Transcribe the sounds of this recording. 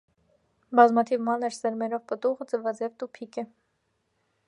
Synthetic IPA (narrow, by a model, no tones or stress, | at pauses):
bɑzmɑt̪ʰivmɑnəɾsɛɾmɛɾɔvpət̪uʁəd͡zəvɑd͡zɛvt̪upʰikɛ